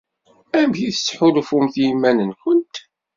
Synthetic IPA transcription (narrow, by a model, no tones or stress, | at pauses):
æmçiθət͡sːħʊlfʊmθjimːænənçʊnt̪